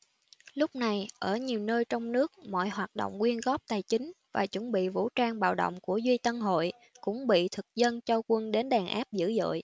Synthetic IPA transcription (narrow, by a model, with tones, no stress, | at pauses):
lʊ˦˥k͡p̚na˨˩jʔəː˧˩ɲi˨˩əwnəː˧jt͡ɕɔ˧wŋ͡mnɨ˦˥ək̚mɔ̰˧˨jɦwaː˨˩t̚ɗo̰˧˨wŋ͡mkwi˧ənɣɔ˦˥p̚t̪aː˨˩jt͡ɕï˨˦ŋ̟vaː˨˩t͡ɕwə˧˩nɓḭ˧˨vṵ˧˥t͡ɕaː˧ŋɓa̰ː˧˨wɗo̰˧˨wŋ͡mku˧˩əzwi˧t̪ə˧nɦo̰˧˨j | kʊ̰˧˥ŋ͡mɓḭ˧˨t̪ʰɨ˨˩k̚zə˧nt͡ɕɔ˧kwə˧nɗe˨˦nɗaː˨˩nʔa̰ː˦˥p̚zɨ̰˧˥zə̰ː˧˨j